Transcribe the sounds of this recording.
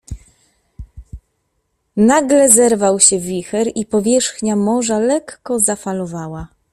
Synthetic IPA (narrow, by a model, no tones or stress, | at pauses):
naɡlɛzɛɾvawɕɛvʲixɛɾipɔvʲjɛʂxɲamɔʐalɛkːɔzafalɔvawa